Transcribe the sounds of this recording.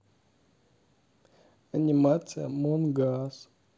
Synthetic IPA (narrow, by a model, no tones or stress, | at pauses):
animat͡sɨja̰monɡas